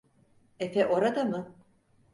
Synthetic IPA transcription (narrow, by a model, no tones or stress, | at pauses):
ɛfɛʔoɾad̪amɯ